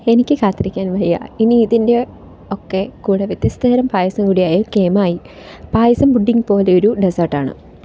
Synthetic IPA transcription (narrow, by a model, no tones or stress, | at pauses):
e̞nikʲːɨkaːt̪ːrikʲːaːnʋɐrijːɐ̰iniːðinde̞ | okːe̞kuːɽeʋjet̪jɐst̪ʰɐɐɾɐmpaːjɐsɐmkuːɽijaːjɐkeːmaːji | paːjɐsɐmbuɖːiŋpo̞ːle̞oɾuɖesɐrʈːaːɳɨ̰